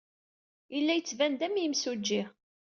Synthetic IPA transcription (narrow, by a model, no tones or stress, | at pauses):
ilːæjət͡sːvænd̪æmjəmsud͡ʒːiʁ